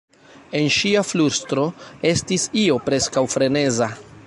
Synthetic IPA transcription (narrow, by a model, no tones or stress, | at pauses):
e̞nʃiafluɾstɾo̞e̞stisio̞pɾe̞skawfɾe̞ne̞za